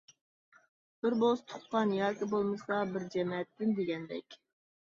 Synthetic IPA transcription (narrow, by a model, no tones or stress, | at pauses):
b̥ɪɾbost̪ʰʊ̥t̪̚qɑnjɑɾkʲɪbolˠmɨsɑbɪɾd͡ʒɛmɛɛt̪ːɪnd̪eɡʲɛnd̪ɛ̰kʲ